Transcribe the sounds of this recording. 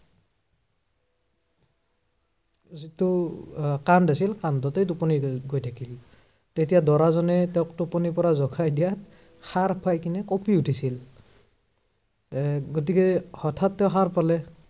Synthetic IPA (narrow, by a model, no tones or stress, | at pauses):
zitʊ | kandasilkandɔtejtupɔniɡojtʰakil | tetijadɔɹazɔnɛtɛʊ̃k̚tupɔnipɔɹazɔkʰajdijat̚ | xaɹpʰajkinɛkɔpiutʰisil | ɡotikɛhɔtʰatːɛʊ̃xaɹpalɛ